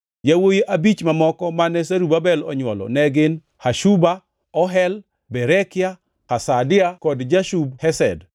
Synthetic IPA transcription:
jawojiʔabit͡ʃmamɔkɔmanɛsaɾubabɛlɔ̰ɲwɔlɔ̰nɛɡɪn | haʃuba | ɔɦɛl | bɛɾɛkɪja | kasadɪakɔdd͡ʒaʃubhɛsɛ̰d

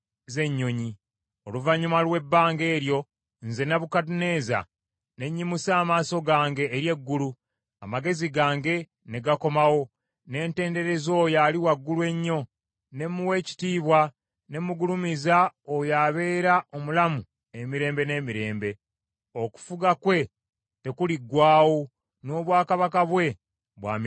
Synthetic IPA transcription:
ze̞ɲːo̞ɲi | o̞luvaɲumalwe̞bːaːŋɡe̞ːɾjo̞ | nze̞naβukat̬une̞ːza̰ | ne̞ɲːimusaːmaːso̞ɡaːŋɡe̞ːɾje̞ɡːulu | amaɡe̞ziɡaːŋɡe̞ | ne̞ɡako̞mawo̞ | ne̞ːnte̞ːnde̞ɾe̞zo̞ːjaliwaɡːulwe̞ɲːo̞ | ne̞muwe̞ːci̥tiːβwa | ne̞muɡulumizaojaβe̞ːɾao̞mulamu | e̞miɾe̞ːmbe̞ne̞ːmiɾe̞ːmbe̞ | oku̥fuɡakwe̞ | te̞kuliɡːwaːwo̞ | no̞ːβwaːkaβakaβwe̞ | βwa̰ːm

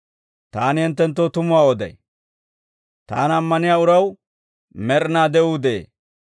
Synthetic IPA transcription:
t̪aːnɪhɛnt̪ːɛnt̪̬ːoːt̪ʊmʊwaːɔd̪ɐ̰j | t̪aːnɐmːɐnɪjaːʊɾɐw | mɛɾnaːd̪ɛud̪eː

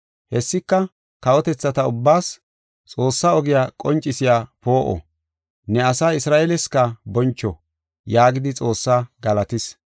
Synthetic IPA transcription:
hɛsːɪkːɐ | kɐwɔt̪ɛt͡sːɐt̪ɐʊbːaːs | t͡sʼo̞ːsːaɔɡɪjakʼɔnt͡ʃʼːɪsɪjapo̞ːʔɔ̰ | nɛɐsaːɪsɾaːʔelɛskɐbɔnt͡ʃːɔ | jaːɡɪd̪ɪt͡sʼo̞ːsːaɡɐlɐt̪ɪs

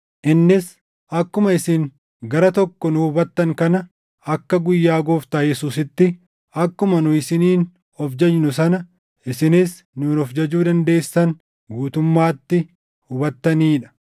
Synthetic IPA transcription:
ʔɪnːɪs | ʔɐkːʊmɐɪsɪn | ɡɐɾɐt̪ɔkːɔnʊːbɐt̪ːɐŋkɐnɐ | ɐkːɐɡʊjːaːɡoːft̪aːjɛsuːsɪt̪ːɪ | ɐkːʊmɐnʊɪsɪniːn | ɔfd͡ʒɐd͡ʒnʊs̬ɐnɐ | ʔɪsɪnɪs | nuːnɔfd͡ʒɐd͡ʒuːd̪ɐnd̪e̞ːsːɐn | ɡuːt̪ʊmːaːt̪ːɪ | ʊbɐt̪ːɐniːᶑɐ̥

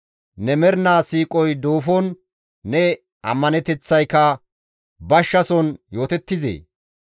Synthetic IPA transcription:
nɛmɛɾnaːsiːkʼɔjd̪oːfɔnː | ɛ | ʔɐ̰mːɐnɛt̪ɛt͡sːɐjkɐ | bɐʃːɐsɔnjo̞ːt̪ɛt̪ːɪzḛː

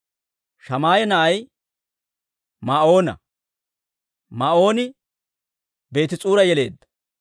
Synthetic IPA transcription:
ʃɐmaːjɛnɐʔɐj | mao̞ːnɐ̰ | maʔo̞ːnɪ | be̞ːt̪ɪt͡sʼuːɾɐjɛle̞̰ːd̪ːɐ̥

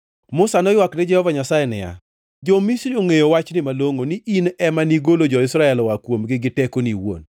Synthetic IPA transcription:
mʊsanɔjwaknɪd͡ʒɛhɔvaɲasajɛnɛ̰ja̰ | d͡ʒɔmisɾioŋejowat͡ʃnɪmaloŋonɪʔinɛmaniɡolod͡ʒɔɪsɾaɛlwakwomɡɪɡɪtɛkoniwo̰n

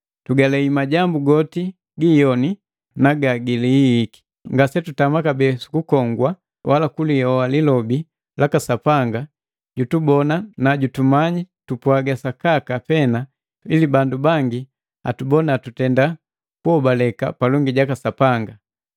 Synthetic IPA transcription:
tuɡalɛimaɟambuɡɔti | ɡijɔni | naɡaɡiliːki̥ | ŋɡasɛtutamakabɛsu̥kukɔŋɡwa | wʔalakulijɔalilɔbi | lakasapaŋɡa | ɟutubɔnanaɟutumaɲitupwaɡasakakapɛna | ilibandubaŋɡi | a̰tubɔnaːtutɛnda | kuɔbalɛka̰palɔŋɡiɟakasapaŋɡa

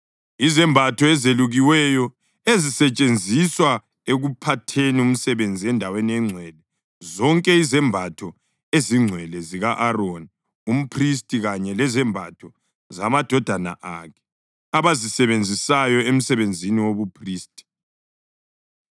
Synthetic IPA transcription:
izɛmbʱatʰɔɛzeluɣiwɛjɔ | ezisɛt͡ʃʼend͡zʱiswa | eɣupʰatʰenium̩sɛβend͡zʱiɛndʱaweniɛŋ͡ǀʱwɛlɛ | zɔŋkʼɛizɛmbʱatʰɔ | eziŋ͡ǀʱwɛlɛziɣaʔaroni | um̩pʰris̬tʼiɣaɲɛlɛzɛmbʱa̰tʰɔ | zamad̥ʱɔd̥ʱana̰ʔa̰kʰɛ̥ | aβazisɛβend͡zʱisajɔem̩sɛβend͡zʱiniwoβupʰriːstʼi̥

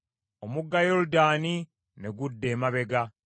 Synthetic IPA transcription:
omuɡːajoɾudaːni | neɡudːeːmaβe̞ɡa

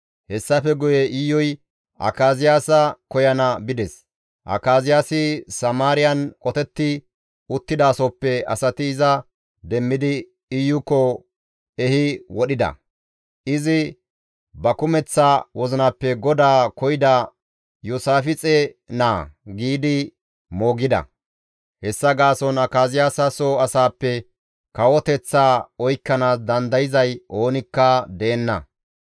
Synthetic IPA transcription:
hɛsːɐfɛɡʊjɛʔɪjːɔj | ʔɐ̰kaːzɪjaːsɐkɔjɐnɐbɪd̪ɛs | ʔɐ̰kːaːzɪjaːsɪsɐmaːɾɪjɐnkʼɔt̪ɛt̪ːɪ | ʊt̪ːɪd̪aːsɔpːɛɐ̰sɐt̪ɪːzɐ | d̪ɛmːɪd̪ɪ | ɪjʊkːɔ | ɛhɪwɔɗɪd̪ɐ̰ | ʔɪzɪ | bɐkʊmɛt͡sːawɔzɪnaːpːɛɡɔd̪aːkɔjɪd̪ɐ | jusaːfɪt͡sʼɛ | naːɡiːd̪ɪ | moːɡɪd̪ɐ̰ | hɛsːɐɡaːsɔnɐkaːzɪjaːsɐsoːɐsaːpːɛ | kɐwɔt̪ɛt͡sːaːɔjkːɐnaːsd̪ɐnd̪ɐjɪzɐjʔo̞ːnɪkːɐd̪eːnːɐ̰

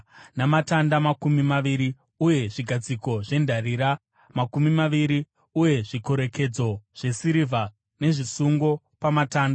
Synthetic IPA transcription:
namatandamakumimaʋiɾi | uje̞ʐiɡʱad͡ziko̞ʐe̞ndʱariːɾa | makumimaʋiɾi | uje̞ʐikoɾe̞ke̞d͡zo̞ʐ̥e̞siɾivʱa | ne̞ʐisuŋɡo̞ | pamataːnda

